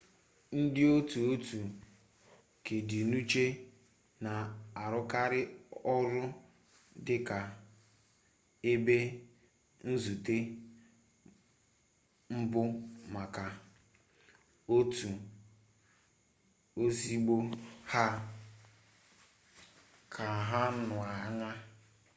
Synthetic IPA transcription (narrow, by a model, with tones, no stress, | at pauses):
n̩˦dɪ˦o˦tu˨o˦tu˨ | ke˨dɪ˨nu˦t͡ʃe˦ | na˨a˨ɾʊ˦ka˦ɾɪ˦ɔ˦ɾʊ˦ | dɪ˦ka˨ | e˦be˦ | n̩˦zu˨te˦ | m̩˦bʊ˦ma˨ka˨ | o˦tu˨ | o˦si˦ɡ͡bo˦ha˦ | kʰa˨ɦa˦nʊ˨a˨˦ŋa˦